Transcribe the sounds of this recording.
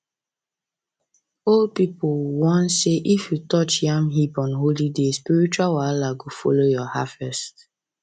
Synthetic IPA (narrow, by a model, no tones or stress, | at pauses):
ol̚pipʊwɔ̃nseʔifjutɔt͡ʃjãmɦipɔ̃nɦolidespiɹit͡ʃualwalaɡofɔ̰lojɔhavɛst